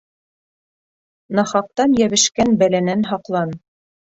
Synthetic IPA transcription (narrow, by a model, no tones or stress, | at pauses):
nɑχɑq̚t̪ɑnjæβɘ̆ʃkænbælænænɦɑqlˠɑn